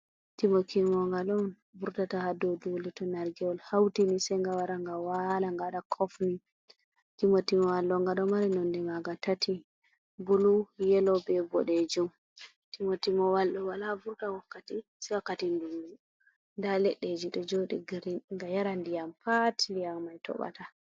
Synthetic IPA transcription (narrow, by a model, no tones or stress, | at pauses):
timokimɔŋɡaɗɔn | buɾtatahadɔdulitɔnaɾɡɛɔlhawtinisɛŋɡawaɾaŋɡawalaŋɡaɗakʰɔfni | timotimɔwalːɔŋɡaɗɔmaɾinɔndɛmaɡatatʰi | bulujɛlɔbɛbɔɗed͡ʒum | timotimɔwalɗɔwalabuɾtawakːatisɛwakːatindumːu | ndalɛɗːed͡ʒiɗɔd͡ʒoɗiɡɾŋɡajaɾandijampatʰindijamːajtɔ̰ɓa̰ta